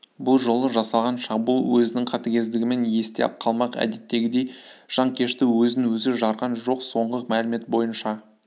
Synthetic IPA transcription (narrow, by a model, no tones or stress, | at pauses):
bʊlˠʒolˠəʒɑsɑlˠʁɑnʃɑqbulˠwɵzɪnɪŋqʰɑt̪ɑkʲe̞zd̪ɪɡʲɪmenje̞st̪ḛqʰːɑlˠmɑqæ̰d̪e̞t̪ːe̞ɡʲɪd̪e̞jʒ̥ɑŋkʲʰe̞ʃt̪ɪwɵzɪŋwɵzɪʒɑɾʁɑnʒo̞qso̞ɴʁəmælɪme̞t̪̚bo̞jənʃɑ